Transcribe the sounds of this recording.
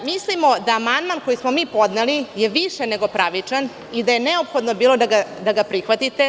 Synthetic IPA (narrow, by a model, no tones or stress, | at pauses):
mislimo̞d̪aːmand̪manko̞jismomiːpo̞d̪nelijeʋiʂeneɡo̞pɾaʋit͡ʂan | id̪aje̞neopxo̞d̪no̞biːlo̞d̪aɡad̪aɡapɾixʋat̪it̪e